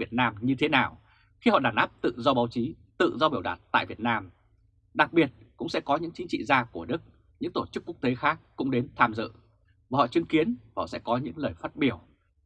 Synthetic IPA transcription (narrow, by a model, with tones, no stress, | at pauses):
i˨˩ət̚naː˧mɲɨ˧t̪ʰe˨˦naː˨˩w | xi˧hɔ̰˧˨ɗaː˧˩nʔaː˦˥p̚t̪ɨ̰˧˨zɔ˧ɓaː˨˦wt͡ɕi˨˦ | t̪ɨ̰˧˨zɔ˧ɓi˧˩əwɗa̰ː˨˩t̚t̪a̰ː˧˨jvi˨˩ət̚naː˧m | ɗa˨˩k̚ɓi˨˩ət̚kʊ̰˧˥ŋ͡msɛ̰˧˥kɔ˨˦ɲɨ̰˧˥ŋt͡ɕi˨˦ŋt͡ɕḭ˧˨zaː˧ku˧˩əɗɨ˦˥k̚ | ɲɨ̰˧˥ŋt̪o˧˩t͡ɕɨ˦˥kːu˦˥ək̚t̪e˨˦xaː˦˥k̚ːʊ̰˧˥ŋ͡mɗe˨˦nt̪ʰaː˧mzɨ̰˧˨ | vaː˨˩hɔ̰˧˨t͡ɕɨ˨˦ŋki˨˦ənv̰sɛ̰˧˥kɔ˨˦ɲɨ̰˧˥ŋləː˨˩jfaː˦˥t̚ɓi˧˩əw